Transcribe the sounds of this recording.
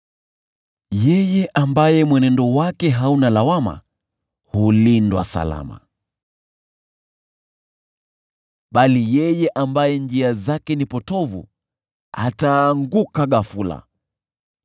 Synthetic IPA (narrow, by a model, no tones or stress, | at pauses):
jɛjɛʔambajɛmwɛnɛndɔwakɛɦaunalawama̰ | hulindwa̰sa̰la̰ma̰ | ɓalijɛjɛʔambajɛnd͡ʒiazakɛnipɔtɔvṵ | a̰taːŋɡukaɠafula̰